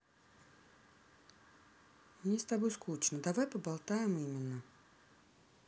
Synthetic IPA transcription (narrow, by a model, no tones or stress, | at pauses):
mnʲɪst̪abojskut͡ɕnəd̪avajpəbalˠt̪ajɪmimʲɪnːə